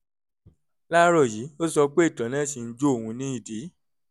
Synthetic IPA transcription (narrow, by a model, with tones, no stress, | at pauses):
la˦ɾɔ˦˨ji˨˦o˦sɔ˧k͡pe˦˨tɔ̃˨˦nã˦si˧n̩˦d͡ʒo˦o˦˨hũ˧nĩ˦i˦˨di˨˦